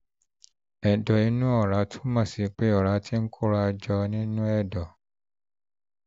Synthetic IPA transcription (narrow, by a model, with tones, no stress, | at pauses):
ɛ˨dɔ˨i˨˦nũ˦ɔ˦˨ɾa˨˦tʰu̥˦mã˦˨si˨˦k͡pe˦ɔ˨ɾa˨˦tʰi˦ŋ̩˦kʰu˦ɾa˧d͡ʒɔ˧nĩ˦nũ˦ɛ˦˨dɔ˨